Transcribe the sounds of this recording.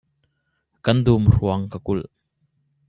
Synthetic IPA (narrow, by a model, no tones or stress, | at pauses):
kɐnd̪umruɐŋkəkʊl